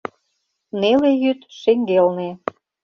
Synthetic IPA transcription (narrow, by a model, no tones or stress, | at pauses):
nelejyt̪ʃeŋɡelne